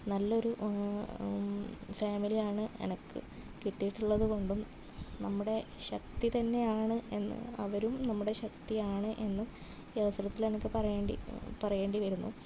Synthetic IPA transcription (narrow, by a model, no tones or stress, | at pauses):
nɐlːɐo̞ɾu | faːmilijaːɳɨḛnɐkːɨ̰ | kiʈːijiʈːuɭːɐðɨko̞ɳɖum | nɐmːuɽe̞ɕɐk̚t̪it̪ɐnːe̞jaːɳɨe̞nːɨ̰ɐ̰ʋɐɾumnɐmːuɽeɕɐkt̪ijaːɳɨʔe̞nːum | ɐʋɐsɐɾɐt̪ːilenɐkːɨpɐrɐjeːɳɖḭpɐrɐje̞ːɳɖiʋɐɾunːṵ